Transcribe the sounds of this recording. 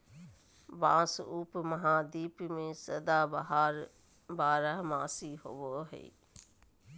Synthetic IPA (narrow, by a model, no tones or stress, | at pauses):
bãːsuːpmɐɦãːd̪iːpmẽsɐd̪aːbəɦaːɾ | baːɾəɦmãːsiɦoʋoːɦḛː